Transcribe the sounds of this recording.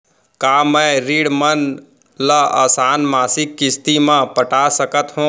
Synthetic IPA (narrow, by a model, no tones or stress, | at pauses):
kaːmɛ̃ɾiːɽmən | ləa̰ːsaːnmaːsɪkːɪst̪imãpəʈaːsəkət̪ɦũː